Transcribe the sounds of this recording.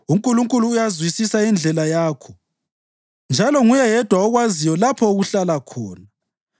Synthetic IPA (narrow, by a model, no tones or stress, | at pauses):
uŋkʼuluŋkʼuluːjazwisisaind͡ɮʱɛlajaːkʰɔ | nd͡ʒʱalɔŋujɛjɛd̥ʱwaɔɣwazijɔlapʰɔuɣuɬalakʰɔ̰ːna